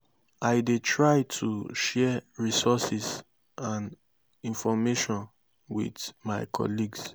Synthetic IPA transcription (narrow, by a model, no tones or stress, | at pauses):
aɪdetʰɹaɪtʰṵʃɛɹisɔsis | ãn | ĩnfɔmeʃɔ̃n | wḭdmaɪkʰɔ̰liɡs